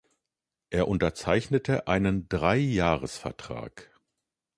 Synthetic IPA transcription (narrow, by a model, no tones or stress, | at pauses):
ʔeːɐʔʊntɐt͡saɪçnətʰəʔaɪnəndʁaɪjaːʁəsfɛ̰ɐtʁ̥a̰ːk